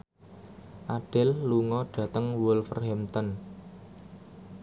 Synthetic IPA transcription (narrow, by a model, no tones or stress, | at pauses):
ʔaɖ̥ɪ̤lːuŋɔɖ̥ä̤t̪əŋwʊlfə̰rhɛmt̪ən